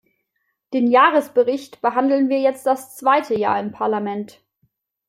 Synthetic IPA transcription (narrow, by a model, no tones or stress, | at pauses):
d̥eːnjaːʁəsb̥əʁɪçtb̥əɦandl̩nviːɐjɛt͡st̚d̥ast͡sv̥aɪtʰəja̰ːɐɪmpʰaɐlamɛnt